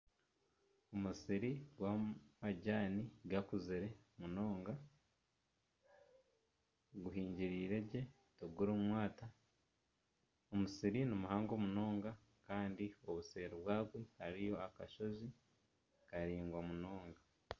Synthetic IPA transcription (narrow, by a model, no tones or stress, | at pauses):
omusiɾiɡwamaɟaːniɡakuziɾe̞ | muno̞ːŋɡa | ɡuɦiːɲɟiɾiːɾe̞ɟe̞ | toɡuɾomwaːta | omusiɾinimuhaːŋɡo̞muno̞ːŋɡa | kaːndio̞βuseːɾoβwaːɡwehaɾijo̞akaʃo̞zi | kaɾiːŋɡwamuno̞ːŋɡa